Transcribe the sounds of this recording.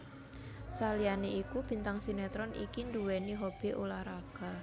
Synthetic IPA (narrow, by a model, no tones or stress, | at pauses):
salianeikub̥i̤nt̪aŋsinɛt̪ɾɔnʔḭkind̪uwɛniɦob̥eʔulahɾaɡ̥a̤